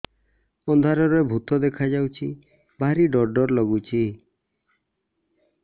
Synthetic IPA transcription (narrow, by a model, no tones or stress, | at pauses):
ɔnd̪ʱaɾɔɾɔebʱut̪ɔd̪ekʰad͡ʒawt͡ʃʰi | bʱaɾiɖɔɾɖɔɾlɔɡut͡ʃʰi